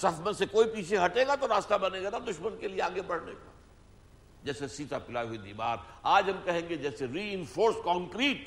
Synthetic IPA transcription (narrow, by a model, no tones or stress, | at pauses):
sɐfmənsekoːipiːt͡ʃʰeɦɐʈeːɡat̪oɾaːst̪abɐneːɡanaːd̪ʊʃmənkelieaːɡebɐɽ̤nḛːka̰ː | d͡ʒɛːsesiːt̪apɪlaːiɦuid̪ḭːma̰ːɾaːd͡ʒɦɐmkɐɦẽːŋɡed͡ʒɛːseɾiːɪ̃nfoːɾskɔ̃ːŋkɾiːʈ